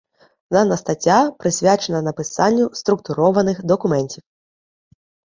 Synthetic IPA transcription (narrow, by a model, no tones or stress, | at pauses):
nɐnɐst̪at͡sʲapɾɨsʲvʲat͡ʂɛnɐnɐpɨsanʲːust̪ɾukt̪uɾɔvɐnɨxd̪ɐkumɛnʲt͡sʲiw